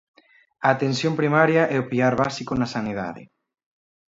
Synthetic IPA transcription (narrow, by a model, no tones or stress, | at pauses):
ɐːt̪ensjompɾimaɾjɐʔɛʊpiaɾβasikonɐsanið̞a̰ðɪ̰